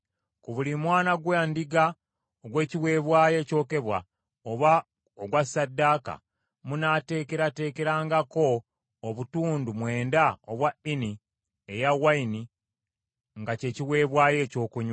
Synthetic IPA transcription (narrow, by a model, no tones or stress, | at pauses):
kuβulimwaːnaɡwaːndiɡa | oɡwe̞ːciwe̞ːβwaːje̞ːco̞ːke̞βwa̰ | oβa | oɡwasːadːaːka̰ | munate̞ːke̞ɾate̞ːke̞ɾaːŋɡako̞ː | βutuːndumwe̞ːndaoβwaini | ejawaini | ŋɡace̞ːciwe̞ːβwaːje̞ːco̞ːkuɲ